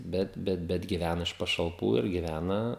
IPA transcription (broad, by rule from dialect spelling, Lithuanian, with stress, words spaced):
ˈbʲɛt ˈbʲɛt ɡʲɪˈʋʲænɐ ɪʃ pɐʃɐlˠˈpuː ɪr ɡʲɪˈʋʲænɐ